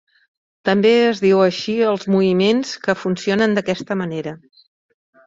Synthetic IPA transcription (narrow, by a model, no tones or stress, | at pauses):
t̪əmbeəzðiwəʃiəlˠzmuβimenskəfunsionənd̪əkɛst̪əməneɾə